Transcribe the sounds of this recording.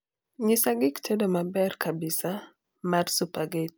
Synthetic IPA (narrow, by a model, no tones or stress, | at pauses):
ɲisaɡɪktʰɛdomabɛrkʰabisa | marsupaɡet̚